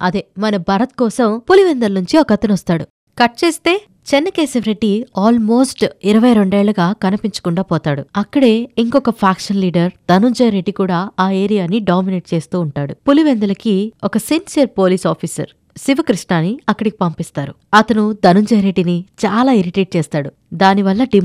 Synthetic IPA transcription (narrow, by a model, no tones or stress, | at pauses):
ɐ̰d̪eːmɐnɐbʱɐɾɐt̪̚kɔːsɐmpuliʋend̪ɐlɐnuɲt͡ʃiɔkɐt̪ɐnɐst̪aːɽṵ | kɐʈ̚t͡ʃeːst̪e̞ː | t͡ʃɛnːɐkeːsɐʋɾe̞ɖːiaːlmo̞ːsʈiɾɐʋɐjɾo̞ɳɖe̞ːɭːɐɡaːkɐnɐpiɲt͡ʃɐ̥kuɳɖaːpɔːt̪aːɽuɐkːɐɽe̞ːiŋkɔkɐpʰaːkʂɐnliːɖɐɾd̪ɐnuɲd͡ʒɐjɾeɖikuːɽaːaːe̞ːɾijaːniɖaːmineʈ̚t͡ʃe̞ːst̪uːɳʈaːɽupuliʋend̪ɐlɐkiɔkɐsinsijɐɾpo̞ːliːsaːpʰiːsɐ̰ɾ | siʋɐkɾiʂɳaːniɐkːɐɽiki̥pɐmpist̪aːɾuɐt̪ɐnud̪ɐnuɲd͡ʒɐjɾeɖːinit͡ʃaːlaːiɾiʈeːʈ̚t͡ʃɛːst̪aːɽu | d̪aːniʋɐlːɐɖi